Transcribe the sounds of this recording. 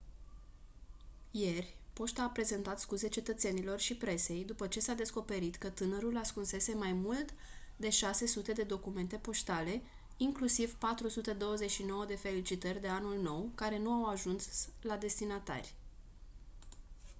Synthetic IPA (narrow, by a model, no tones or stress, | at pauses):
je̞rʲpo̞ʃt̪aːpɾe̞ze̞nt̪at̪skuze̞t͡ʃe̞t̪ət̪se̞nilo̞rʃipɾe̞se̞jd̪upət͡ʃe̞sad̪e̞sko̞pe̞ɾit̪kət̪ɨnəɾulaskunse̞se̞majmult̪d̪e̞ʃase̞sut̪e̞d̪e̞d̪o̞kume̞nt̪e̞po̞ʃt̪ale̞ | iŋklusivpat̪ɾusut̪e̞d̪o̞wəze̞t͡ʃʃino̞wəd̪e̞fe̞lit͡ʃit̪ərʲd̪e̞anulno̞wkaɾe̞nuawaʒunslad̪e̞st̪inat̪a̰rʲ